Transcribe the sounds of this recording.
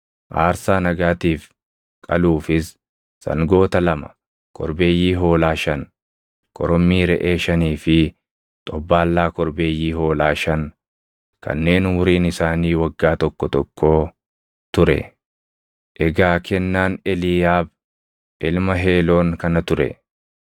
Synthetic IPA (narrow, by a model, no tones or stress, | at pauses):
ʔaːɾsaːnɐɡaːt̪iːf | kʼɐluːfɪsː | ɐ̰ŋɡo̞ːt̪ɐlɐmɐ̥̰ | kʰɔ̰ɾbe̞ːjːiːɦo̞ːlaːʃɐn | kʰʼɔɾɔmːiːɾɛʔe̞ːʃɐniːfɪ | t̪ʼɔbːaːlːaːkɔɾbeːjːiːho̞ːlaːʃɐn | kʰɐ̰nːe̞ːnwʊɾiːnɪsaːniːwɐɡːaːt̪ɔkːɔt̪ɔkʰːo̞ː | t̪ʊɾɛ̰ | ʔɛɡaːkʰɛnːaːnɛlɪjaːb̚ | ʔɪlmɐɦe̞ːloːŋkɐnɐt̪ʊɾɛ̰